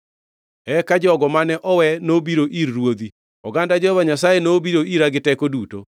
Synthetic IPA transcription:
ɛkad͡ʒɔɡɔmanɛʔɔwɛnobiɾoʔiɾːwoði | ɔɡandad͡ʒohɔβaɲasajenobiɾoiɾaɡɪtɛkoduto̰

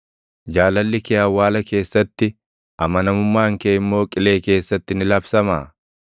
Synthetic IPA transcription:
d͡ʒaːlɐlːɪkɛjɐwːaːlɐke̞ːsːɐt̪ːɪ | ʔɐmɐnɐmʊmːaːŋkeːɪmːo̞ːkʼɪleːke̞ːsːɐt̪ːɪnɪlɐbsɐma̰ː

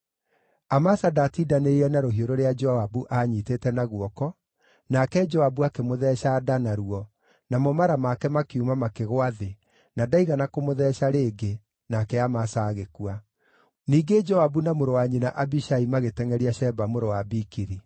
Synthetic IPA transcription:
amasadatidaneiɾɛnaɾoɦioɾoɾead͡ʒɔabuʔaɲiːteːtɛnaɣuɔkɔ | nakɛd͡ʒɔabuakemoðɛʃadanaɾuɔ | namɔmaɾamakɛmakeumamakeɣwaðe | nadaiɣanakomoðɛʃaɾeːɡe | nakɛamasaːɣekua | niːɡed͡ʒɔabunamoɾowaɲinaʔabiʃaimaɣetɛŋɛɾiaʃɛbamoɾowabikiɾi

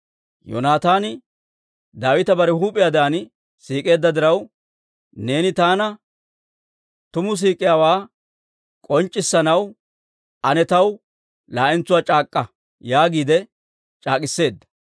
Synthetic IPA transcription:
jɔ̰naːt̪aːnɪ | d̪aːwɪt̪ɐbɐɾɛhuːpʼːɪjaːd̪aːn | siːkʼe̞ːd̪ːɐd̪ɪɾɐw | ne̞ːnɪt̪aːnɐ | t̪ʊmʊs̬iːkʼɪjaːwaː | kʼɔnt͡ʃʼːɪsːɐnɐw | ʔɐnɛt̪ɐw | laːʔɪnt͡sːʊwaːt͡ʃʼaːkʼːɐ | jaːɡiːd̪ɛ | t͡ʃʼaːkʼɪsːe̞ːd̪ːɐ̥

